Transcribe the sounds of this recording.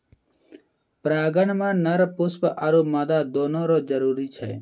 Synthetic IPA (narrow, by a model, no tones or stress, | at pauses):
pɾaɡənmanəɾpuspʔaɾumad̪ad̪ɔnɔɾɔd͡ʒəɾuɾit͡ʃʰɛ̰